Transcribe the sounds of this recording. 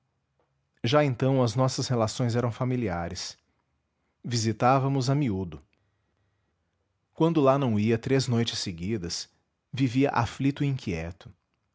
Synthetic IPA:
ʒaẽnt̪ɐ̃w̃ɐznɔsɐshelasõj̃zɛɾɐ̃w̃familiaɾɪs | vizit̪avɐmʊzɐmiud̪ʊ | kwɐ̃nd̪ʊlanɐ̃w̃iɐt̪ɾeznojt͡ʃɪ̥sːeɡid̪ɐs | viviɐʔaflit̪ʊĩkʰiɛt̪ʊ̥

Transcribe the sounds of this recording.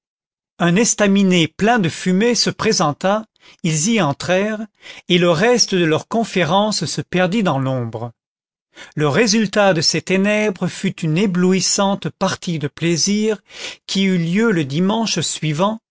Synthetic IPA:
ɛ̃nɛst̪amineplɛ̃d̪əfymesəpχezɑ̃t̪a | ilziɑ̃t̪χɛʁeləʁɛst̪əd̪əlœʁkɔ̃feʁɑ̃ssəpɛʁd̪id̪ɑ̃lɔ̃bʁə | ləʁezylt̪ad̪əset̪enɛbʁəfyt̪ynebluisɑ̃t̪paʁt̪id̪əpleziːʁkʲʰiyljøləd̪imɑ̃ʃsɥivɑ̃

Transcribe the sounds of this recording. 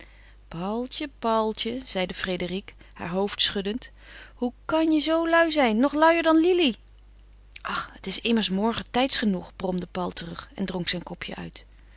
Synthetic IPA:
pɑlˠt͡ʃəpɑlˠt͡ʃəz̥ɛjdəfredərik | ha̰ːɹɦowftsχɵdənt | hukɑnjəzowlœɥzɛjnːɔχlœwəɹdɑnlili | ʔɑχətɪsɪməɹsmɔɹχətɛjtsχənuχb̥rɔmdəpɑlˠtərɵχɛ̰ndrɔŋksɛjnkɔpʰjə̰ʔœ̰ɥt

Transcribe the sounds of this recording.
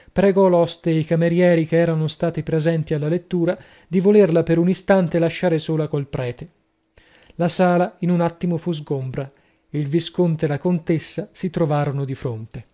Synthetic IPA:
pɾeɡɔlɔst̪eikameɾjɛːɾikeɛːɾanost̪aːt̪ipɾezɛnt̪ialːalet̪ːuːɾa | d̪ivolerlapeɾunist̪ant̪elaʃːaːɾesoːlakolpɾɛːt̪e | lasaːlainunat̪ːimofuzɡombɾa | ilviskont̪elakont̪esːasit̪ɾovaːɾonod̪ifɾont̪e

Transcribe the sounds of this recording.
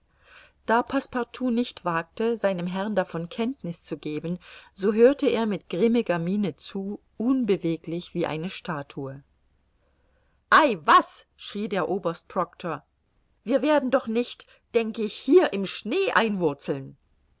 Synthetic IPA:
d̥aːpʰaspaʁtʰuːnɪçtv̥aːk̚təzaɪnəmɦɛʁndafɔnkʰɛntnɪst͡suɡeːbn̩zoːɦøːɐtəeːɐmɪtɡ̥ʁɪmɪɡɐmiːnət͡suː | ʔʊnbəveːklɪçv̥iːʔa̰ɪnəʃtaːtʰuə | ʔaɪvas | ʃʁ̥iːdeːɐʔoːbɐst̚pʁ̥ɔktʰoɐ | viːɐveːɐdn̩dɔχnɪçt | d̥ɛŋkəɪçhiːɐʔɪmʃneːʔaɪnvʊɐt͡sl̩n

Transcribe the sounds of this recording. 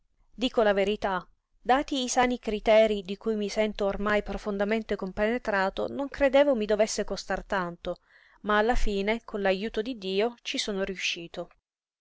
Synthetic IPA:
d̪iːkolaveɾit̪a | d̪aːt̪iːsaːnikɾit̪ɛːɾid̪ikujmisɛnt̪oːrmajpɾofond̪ament̪ekompenet̪ɾaːt̪o̰noŋkɾed̪eːvomid̪ovesːekost̪art̪ant̪o | maːlːafiːnekʰonlajuːt̪od̪id̪ːiːot͡ʃisoːnoɾiuʃːiːt̪o

